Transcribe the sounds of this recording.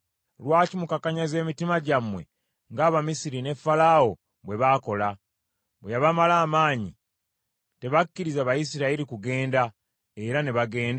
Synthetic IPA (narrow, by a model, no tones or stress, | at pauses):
lwaːcimukakaɲaze̞ːmitimaɟamwe̞̰ | ŋɡaːβamisiɾine̞fːalaːwo̞ | βwe̞βaːko̞la | bwejaβamalaːmaːɲi | te̞βakːiɾizaβajisiɾaiɾikuɡe̞ːnda | e̞ɾane̞βaɡe̞ːnd